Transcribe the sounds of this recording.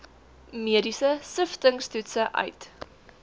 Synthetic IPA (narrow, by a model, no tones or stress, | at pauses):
miədisəsəftəŋstutsəʔœ̰ɥt